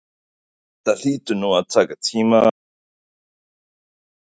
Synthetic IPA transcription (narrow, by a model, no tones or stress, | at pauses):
t̪aɬit̪unuat͡sakat͡sʰima